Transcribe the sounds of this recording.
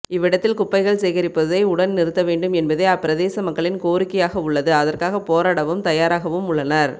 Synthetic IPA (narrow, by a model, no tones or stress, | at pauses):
ɪʋːɪɽɐt̪ːɪlkʊpːɐɪɣɐɭsɛjɣɐɾɪpːɐðɐɪʊɽɐnnɪɾɯt̪ːɐʋeːɳɖɯmɛnbɐðɐɪɐpːɪɾɐðeːsɐmɐkːɐɭɪnkoːɾɪkːɐjaːɣɐʊɭːɐðɯɐðɐrkaːɣɐpoːɾaːɽɐʋɯmt̪ɐjaːɾaːɣɐʋɯmʊɭːɐnɐɾ